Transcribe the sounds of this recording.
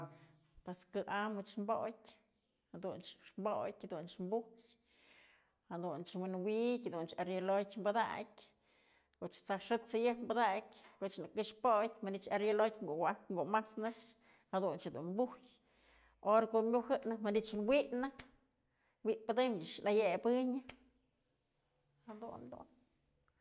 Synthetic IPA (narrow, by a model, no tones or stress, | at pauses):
pweskɨʔamɨt͡ʃmbojtʲ | had̪unt͡ʃʂmbojtʲhad̪unt͡ʃmbuj | had̪unt͡ʃwɨnwikʲhad̪unt͡ʃaɾjelojtʲmbad̪a̰kʲ | koʔt͡ʃt͡saʂɨt̪t͡sɨjɨkmbad̪akʲkoʔt͡ʃnakɨʂpot̪ʲmanit͡ʃaɾjelojt̪ʲŋɡuʔwaŋɡumasnɨʂ | had̪unt͡ʃed̪ṵnmbuhj | ʔoɾakoʔmʲuhɨnɨmanit͡ʃunwiʔnɨ | wiʔpɨd̪ɨmanajebɨɲɨ | had̪ṵnd̪ṵn